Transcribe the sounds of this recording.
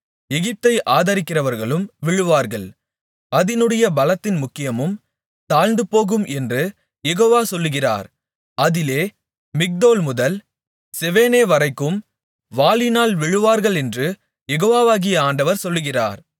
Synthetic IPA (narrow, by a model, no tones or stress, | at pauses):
ɛɣɪp̚t̪ɐɪʔaːðɐɾɪkːɪrɐʋɐɾɣɐɭɯmʋɪɻɯʋaːɾɣɐɭ | ɐðɪnɯɽɐjɐbɐlɐt̪ːɪnmʊkːɪjɐmɯm | t̪aːɻnd̪ɯpoːɣɯmʔɛndrɯ | jɛɣoːʋaːsɔlːɯɣɪra̰ːɾ | ɐðɪleː | mɪk̚d̪oːlmʊðɐl | sɛʋeːneːʋɐrɐɪkːɯm | ʋaːlɪnaːlʋɪɻɯʋaːɾɣɐɭɛndrɯ | jɛɣoːʋaːʋaːɣɪjɐaːɳɖɐʋɐɾsɔlːɯɣɪra̰ːɾ